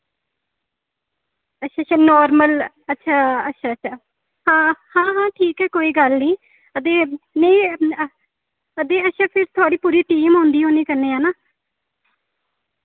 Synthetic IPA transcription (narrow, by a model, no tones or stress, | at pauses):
ətːʃʰaːʃʰaːnɔːɾməl | ətːʃʰaːətːʃʰaːətːʃʰaː | hãːhãːɦãːʈʰiːkɦɛːkoːiːɡəlniː | əd̪eːnẽː | əd̪eːətːʃʰaːpʰɪɾt̪ʰʊaːɽiːpuːɾiːʈiːmɦõːnd̪iːɦõːniːkəɾneːaːnaː